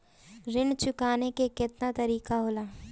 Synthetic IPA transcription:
ɾɪnt͡ʃʊkaːnekekɪt̪nat̪ɐɾiːqaɦoːlaː

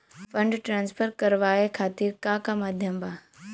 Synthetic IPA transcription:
fɐ̃ɳɖʈɾãːnspʰəɾkɐɾʋaːekʰaːt̪iːɾkãːkamaːd̪ʱjəmbaː

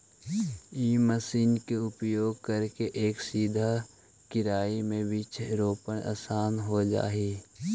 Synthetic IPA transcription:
iːməsiːnkeʊpjoːɡ̚kəɾkeʔeːksiːd̪ʱa | kɪɾaːimẽbɪt͡ʃɾoːpənʔa̰ːsaːnɦod͡ʒa̰ːɦiː

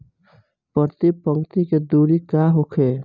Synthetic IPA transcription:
pəɾt̪ipəŋkt̪iked̪uːɾikaːɦokʰeː

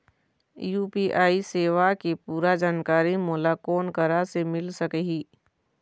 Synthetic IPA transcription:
juːpiːʔaːiseːʋakepuːɾad͡ʒaːnkaːɾimɔːlakɔːnkəɾasemɪlsɐkɦiː

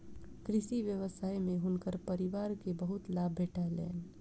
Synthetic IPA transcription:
kɾɪʃiʋjəʋəsaːjmẽɦʊnkəɾpəɾiʋaːɾkebəɦʊt̪laːbʱːeːʈʰaɦlḛːn

